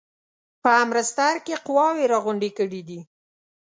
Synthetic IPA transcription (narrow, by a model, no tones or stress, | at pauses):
pəamɾast̪aɾkeqʊwɑweɾɑɣʊɳɖekəɽid̪i